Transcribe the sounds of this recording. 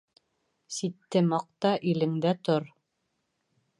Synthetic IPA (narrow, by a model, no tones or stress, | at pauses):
sit̪ːɘmɑq̚t̪ɑʔilɘ̆ŋd̪æt̪oɾ